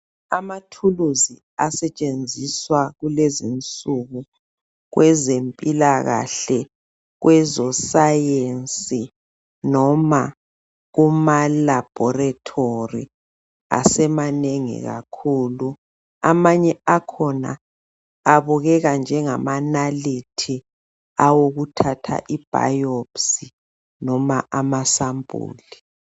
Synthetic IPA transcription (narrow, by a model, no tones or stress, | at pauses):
amatʰuluzi | asɛt͡ʃʼend͡zʱiswaɣulezint͡sʼuɣu | ɣwʔɛzempʼilaɣa̰ɬɛ | ɣwʔɛzɔsajent͡sʼi | nɔma | ɣumalab̥ʱɔratʰorḭ | a̰sɛmaneŋḭɣa̰kʰuːlu | amaɲɛakʰɔna̰ː | βuɣɛɣand͡ʒʱɛŋamanalitʰi | awoɣutʰatʰa̰ʔib̥ʱa̰jopsi | nɔmaʔamasambʱṵːli